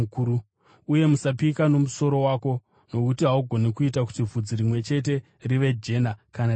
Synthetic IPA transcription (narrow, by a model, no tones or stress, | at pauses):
kuu | uje̞musapikano̞muso̞ɾo̞waːko̞ | no̞kutiɦauɡʱo̞nekuitak̬u̥tivʱud͡ziɾimwe̞t͡ʃe̞t̬e̞ | riʋe̞d͡ʒe̞nakana